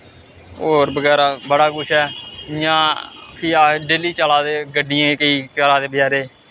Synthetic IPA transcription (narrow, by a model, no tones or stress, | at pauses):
oːɾbəɡɛːɾaːbəɽaːɡʊʃʰɛːjãːpʰiaːɖeːliːt͡ʃaːlaːd̪eːɡəɖɪjãːkəiːt͡ʃalaːd̪eːbɪjaːɾeː